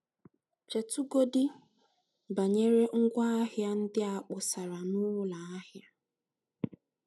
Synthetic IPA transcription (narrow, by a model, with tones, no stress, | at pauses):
t͡ʃe˨tu˦ɡo˦dɪ˦ | ba˨ɲe˦ɾe˦ŋ̩˦ɡʷa˦a˦ɦja˦n̩˦dɪ˦a˨k͡pʊ˨sa˨ɾa˨nʊː˦la˨a˦ɦja˦